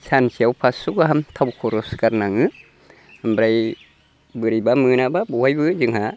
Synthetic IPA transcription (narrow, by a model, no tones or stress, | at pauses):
sansiawpʰasuɡaɦamt̪ʰawkʰɔɾɔskaɾnaŋɯ | ambɾaj | bɯɾibamɯnababɔwajbɯzɯŋha